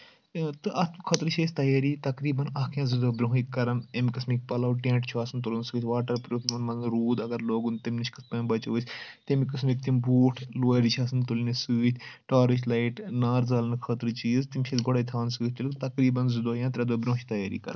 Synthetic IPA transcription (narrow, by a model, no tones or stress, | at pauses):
t̪ɨʔɐt̪ʰmkʰɐt̪ɾt͡ʃʰeːsʲt̪ɐjaːɾiːt̪ɐkɾiːbɐnɐkʰjãːzid̪oːbɾõɦikkːɐɾɐnemkɐsmik̚pɐlɐwʈẽːɳʈt͡ʃʰuaːsɨnt̪ulɐnsɨːt̪ʰʲʋaːʈɐɾpɾoːkʲmɐnmɐnɾuːd̪ɐɡɐɾloːɡunt̪imʲnit͡ʃkɐsʰpɐːnbɐt͡ʃoːt͡ʃʰʲt̪emikɨsmik̚t̪imbuːʈʰloːɾit͡ʃʰaːsɨnt̪ulinisɨːt̪ʲʰʈaːɾit͡ʃlaːiʈnaːɾzaːlnkʰɐt̪ɾt͡ʃiːzt̪imʲt͡ʃʰit̪ɡoɽaːt̪ʰaːnsɨːt̪̚ʰʲt̪ulkt̪ɐkɾiːbɐnzid̪oːjãːt̪ɾɐd̪oːbɾõːt͡ʃt̪ɐjaːɾḭːkɐ̰ɾn